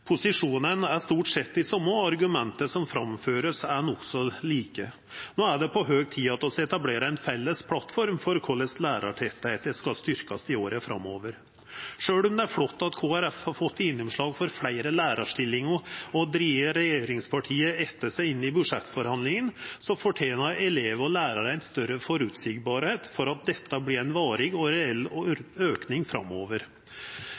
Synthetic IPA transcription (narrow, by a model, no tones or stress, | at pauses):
pʰʊsɪʂuːnənæʂt̪uːʈsɛt̪ːɪsɔmːəɑɾɡʉmɛnt̪əsɔmfɾɑmføːɾəsænɔksɔliːkə | noːæɖɛpʰɔɦøːɡ̚t̪ʰiːɑt̪ɔsɛt̪ɑbleːɾəɛnfɛlːəspʰlɑt̪fɔɾmfɔɾkʰɔːlɛslæːɾʔɑ̰ʈʰɛt̪ːet̪əskɑst̪ʏɾkɑsɪoːɾəfɾɑ̰moːʋəɾ | ʂøːlʊmd̪ɛæɾflɔt̪ːɑt̪kʰoːæɾɛfhɑɾfɔt̪ːɪnːʊmʂɭɑːɡfɔɾflæɪɾəlæːɾɑʂʈɪlːɪŋəɔd̪ɾiːʋəɾɛjeːɾɪŋspʰɑʈʰiːəɛt̪ːəsæɪɪnːɪbʉʂɛt̪ːfɔɾhɑnd̪lɪŋənsɔfɔʈʰeːnɑɾɛleːʋəɔlæːɾɑɾæɪnst̪œɾəfɔɾʉːt̪sɪɡbɑːɾheːt̪fɔɾɑt̪̚d̪ɛt̪ːəblɪɾæɪnʋɑːɾɪɡɔɾɛɛlːɔøːknɪŋfɾɑ̰mːoːʋəɾ